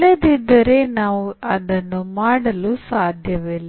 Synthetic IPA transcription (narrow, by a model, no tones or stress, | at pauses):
led̪id̪ːɐɾe̞naːʋuɐd̪ɐnːumaːɽɐlusaːd̪ʱjɐʋilːɐ